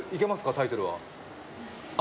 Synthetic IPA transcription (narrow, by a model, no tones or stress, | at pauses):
ike̞masɨ̥kat̪ait̪o̞ɾɯ̟βa̰